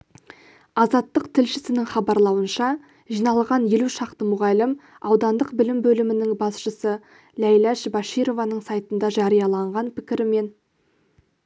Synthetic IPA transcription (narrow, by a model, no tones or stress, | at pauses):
ɑzɑt̪ːəqt̪ʰɪlʃɪsɪnɪŋχɑbɑɾlˠɑwənʃɑ | ʒijnɑlˠʁɑnje̞luʃɑqt̪əmʊʁɑlɪm | ɑwd̪ɑnd̪əqbɪlɪmbɵlɪmɪnɪŋbɑsʃəsə | læjlæʃbɑʃijɾo̞vɑnəɴsɑjt̪ənd̪ɑʒɑɾijɑlˠɑɴʁɑnpʰɪkʲɪɾɪme̞n